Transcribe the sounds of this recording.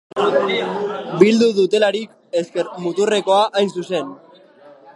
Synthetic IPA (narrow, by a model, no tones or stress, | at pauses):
bild̪uðut̪e̞laɾik | e̞ske̞ɾmut̪ure̞ko̞aʔajnsuse̞n